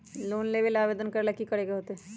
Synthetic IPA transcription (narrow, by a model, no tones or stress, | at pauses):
loːnleːʋelaːʋeːd̪ənkəɾləkːikəɽekeɦoːt̪eɦɛ